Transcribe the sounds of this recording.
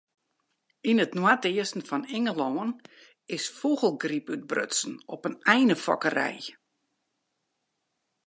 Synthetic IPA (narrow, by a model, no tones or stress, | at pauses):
inətnwatɪəsn̩fɔnɪŋəloːən | ɪsfoɣəlˠɡripyt̚brø̰tsn̩ɔpənɛjnəfɔ̰kərɛ̰j